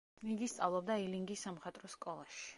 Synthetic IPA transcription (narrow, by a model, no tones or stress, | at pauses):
niɡist̪sʼavlˠɔb̚d̪ailiŋɡisːamχat̪ʼɾɔskʼɔlˠaʃi̥